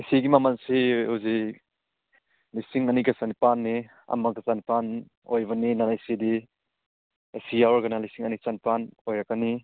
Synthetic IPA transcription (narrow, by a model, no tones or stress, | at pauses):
isiɡimamansihuzi | lisiŋɐniɡasanipanːi | ɐ̰makasanipan | ojbɐninanaisedi | esijawɾɡɐnalisiŋɐnisanipanojɾakani